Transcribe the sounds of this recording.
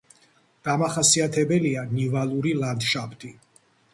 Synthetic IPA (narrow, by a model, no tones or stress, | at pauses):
d̪̥amaχasiat̪ʰɛbɛlianivalˠuɾiland̪ʃapʰt̪ʰʼi